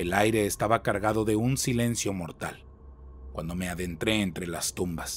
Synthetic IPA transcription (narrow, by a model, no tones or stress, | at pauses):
elajɾe̞ːst̪aβakaɾɣaðoðe̞unsile̞nsjo̞mo̞ɾt̪a̰l | kwand̪o̞me̞aðe̞nt̪ɾe̞ːnt̪ɾe̞last̪umbas